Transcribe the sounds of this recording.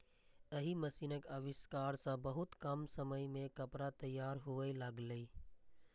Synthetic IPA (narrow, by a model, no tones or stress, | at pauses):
əɦiməsiːnəkəʋɪskaːɾsãbəɦʊt̪kəmsəməjmẽkəpɾat̪əjːaːɾɦʊʋəiləɡləi